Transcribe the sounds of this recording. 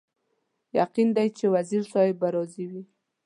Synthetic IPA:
jaqind̪ajt͡ʃewaziɾsɑjebaɾɑziwi

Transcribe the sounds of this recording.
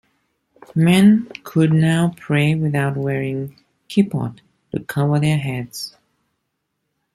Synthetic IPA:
mɛ̃nkʰʊd̚ⁿnaʊpʰɹ̥eɪwɪðaʊt̚wɛɹɪ̃ŋ | kʰipɔ̰tː | ṵkʰʌvə˞ðə˞ɦɛdz̥

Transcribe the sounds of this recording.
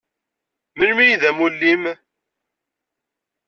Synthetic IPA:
mənmijðæmulːim

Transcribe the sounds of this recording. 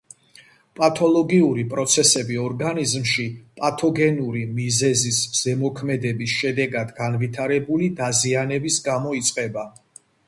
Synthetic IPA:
pʼat̪ʰɔlˠɔɡiuɾipʼɾɔt̪sʰɛsɛbiɔɾɡanizmʃipʼat̪ʰɔɡɛnuɾimizɛzisz̥ɛmɔkʰmɛd̪ɛbisʃɛd̪ɛɡad̪ɡanvit̪ʰaɾɛbulid̪azianɛbisɡamɔit̪sʼqʼɛba

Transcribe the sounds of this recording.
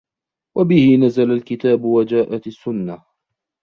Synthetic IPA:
wabɪhɪnazalalkɪt̪aːbʊwad͡ʒaːʔat̪asːʊnːa

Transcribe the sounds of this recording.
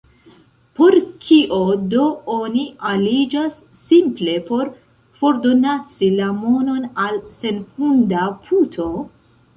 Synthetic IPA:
po̞ɾkʰiʔodo̞onialid͡ʒasːimple̞po̞ɾ | fo̞ɾdo̞nat͡silamo̞no̞nalse̞nhundapʰutʰo̞

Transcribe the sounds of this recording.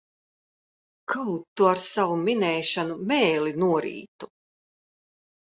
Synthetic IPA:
kʰawt̪ːuaɾsavuminɛːʃanumɛːlinuɔɾḭːt̪u̥

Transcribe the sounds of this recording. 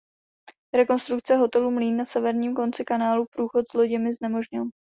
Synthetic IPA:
ɾɛko̞nst̪ɾuk̚t͡sɛɦo̞t̪ɛluːmliːnːasɛvɛɾɲiːmko̞nt͡sɪkanaːlupɾuːxo̞t̪zloɟɪmɪznɛmo̞ʒɲɪl

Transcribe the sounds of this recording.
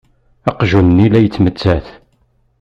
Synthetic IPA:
æqʒunnilæjət͡sːmət͡sːæθ

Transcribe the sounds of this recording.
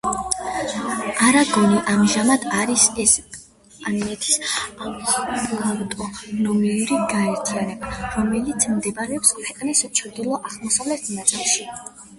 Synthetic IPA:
aɾaɡɔniʔamʒamad̪aɾisɛs | aninɛt̪ʰi̥sambɔlɾt̪ʼɔnɔmiuɾiɡaɛɾt̪ʰianɛbaɾɔmɛlit̪sʰmd̪ɛbaɾɛɔpskʰwɛqʼnist͡ʃʰɾd̪ilˠɔʔaʁlˠmɔsavlɛt̪ʰnad̪zalˠʃi

